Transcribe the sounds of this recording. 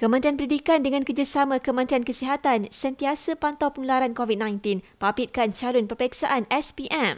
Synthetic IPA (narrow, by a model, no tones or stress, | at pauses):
kəmə̃nt̪ɾianpəɾidikandəŋãnkərd͡ʒasamãkəmə̃nt̪ɾiankəsiɦat̪ansənt̪iasəpant̪awpəŋulaɾankovid̪̚nãjnt̪inpapit̪̚kant͡ʃalʊnpərpəɛksaʔanɛspiʔɛm